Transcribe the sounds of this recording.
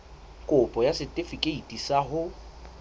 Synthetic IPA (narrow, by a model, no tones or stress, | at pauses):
kʼʊpʼɔjasɪtʼɪfikʼeitʼisaɦʊ